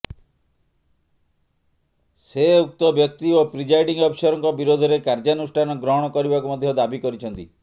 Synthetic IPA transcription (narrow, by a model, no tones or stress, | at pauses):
seuk̚t̪ɔbjɔk̚t̪iopɾid͡ʒajɖiŋɔpsɔɾɔŋkɔbiɾod̪ʱɔɾekaɾd͡ʒanusʈʰanɔɡɾɔɦɔɽ̃ɔkɔɾibakumɔd̪ʱjɔd̪abikɔɾit͡ʃʰɔnt̪i